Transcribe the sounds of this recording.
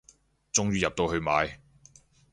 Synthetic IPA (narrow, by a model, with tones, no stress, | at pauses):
t͡sʊ˥ŋɥyː˧jɐ˨p̚t̪o˧whɵ˧ɥma̰ː˨˧j